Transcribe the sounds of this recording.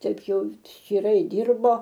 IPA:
ˈtɐɪp ˈjɛʊ ʃʲt͡ʃʲiːˈrɐɪ ˈdʲiːrboː

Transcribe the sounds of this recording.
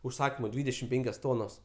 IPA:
ʊʃˈsɑːkʲiːmʊ ˈdʲʋʲiːdʲɛʃʲɪm ˈpʲɛŋʲkʲoːs ˈtoːnoːs

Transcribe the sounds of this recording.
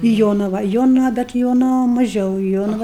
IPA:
ɪ ˈjoːnɐʋɐ ˈjoːnɐʋɐ bʲɛt ɪ ˈjoːnɐʋɐ mɐˈʒʲɛʊ ɪ ˈjoːnɐʋɐ

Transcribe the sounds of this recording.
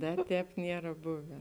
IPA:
ˈdɐ ˈtʲɛːp ˈnʲiɛrɐ ˈbʊʋʲɛ

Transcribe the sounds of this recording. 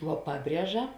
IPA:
ʋuɔ ˈpɑːˌbʲrʲiɛʒɐ

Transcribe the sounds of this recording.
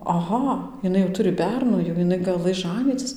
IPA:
ɐˈɣɐ ɪˈnɐɪ jɛʊ ˈtʊrʲɪ ˈbʲɛrnuː jɛʊ jɪˈnɐɪ ɡɐˈlˠɘs ˈʒɑːnʲiːt͡sʲɪs

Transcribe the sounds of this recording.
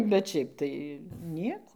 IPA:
bʲɛt ˈʃʲɛɪp tɐɪ ˈnʲiɛkoː

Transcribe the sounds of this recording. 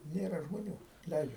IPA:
ˈnʲeːrɐ ʒmoːˈnʲuː ˈlʲɛɪd͡ʒʲɛ

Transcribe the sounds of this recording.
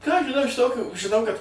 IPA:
kɑː ɐʃ ʒʲɪˈnɐʊ ɪʃ ˈtoːkʲuː ʒʲɪˈnɐʊ kɐt

